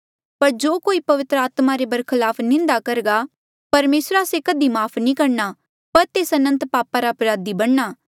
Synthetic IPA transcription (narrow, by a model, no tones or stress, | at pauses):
pɐɾd͡ʒoːkoːipɐʋɪt̪ɾəaːt̪maɾebɐɾkʰɪlaːpʰnɪ̃nd̪akɐɾɡa | pɐɾmeːsɾaːsekɐd̪imaːpʰnĩkɐɽna | pɐɾt̪eːsɐnə̃nt̪paːpaɾaɐpɾaːd̪ibɐɽnaː